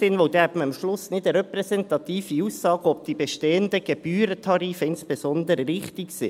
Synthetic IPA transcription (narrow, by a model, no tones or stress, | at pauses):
sɪnʋoʊd̥̪ɛæbməəmʃlʊsnɪdəɾɛpɾɛsɛnt̪ɑt̪iːfiuːsːɑːɡ̥əɔp̚d̪̥ibɛʃteːənd̪əɡ̥eb̥yːɾətʰɑɾiːfəɪnsb̥esɔnd̪əɾəvɪχt̪iksɪ